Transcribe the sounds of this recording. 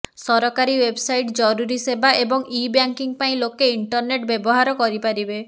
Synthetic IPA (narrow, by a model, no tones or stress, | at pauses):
sɔɾɔkaɾiwebsajʈd͡ʒɔɾuɾisebaʔebɔŋibjaŋkiŋpaĩlokeiɳʈɔɾneʈbebɔɦaɾɔkɔɾipaɾibe